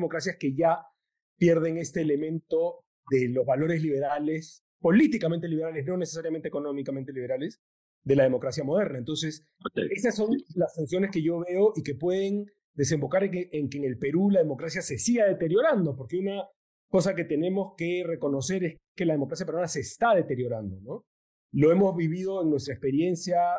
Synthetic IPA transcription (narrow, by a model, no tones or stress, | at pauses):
mo̞kɾasjaske̞ʝa | pje̞ɾðe̞ŋe̞st̪eːle̞mẽ̞nt̪o̞ | ðe̞lo̞zβalo̞ɾe̞zliβ̞e̞ɾales | po̞lit̪ikament̪e̞liβe̞ɾalezno̞ne̞sesaɾjament̪ekonomikament̪e̞liβe̞ɾale̞s | ðe̞lað̞emo̞kɾasjamo̞ðe̞ɾnaent̪o̞nse̞s | esasːo̞nlasunsjo̞ne̞skeʝo̞βe̞o̞ʔike̞pwe̞ðe̞n | d̪e̞se̞mbo̞kaɾeŋkeːŋe̞lpe̞ɾulaðemo̞kɾasjase̞siɣaðe̞t̪e̞ɾjo̞ɾand̪o̞po̞ɾke̞una | ko̞sake̞t̪e̞nẽ̞mo̞ske̞re̞ko̞no̞se̞ɾe̞s | ke̞laðemo̞kɾas̬japeɾβanase̞ːst̪aðe̞t̪e̞ɾjo̞ɾand̪ono̞ | lo̞e̞mo̞zβiβið̞o̞eŋnwe̞s̬t̪ɾaekspe̞ɾje̞nsja